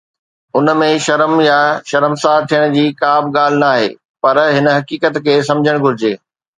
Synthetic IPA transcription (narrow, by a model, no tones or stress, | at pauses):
ʊnmẽʃɐɾəmjaʃɐɾəmsaːt̪ʰijəɽ̃d͡ʑiːkaːbɠaːl̤ɪnaːɦḛː | pɐɾɦɪnə̆ɦɐkiːkət̪kʰeːs̬ɐ̃md͡ʑʱəɽ̃ɡʱʊɾɪd͡ʑeː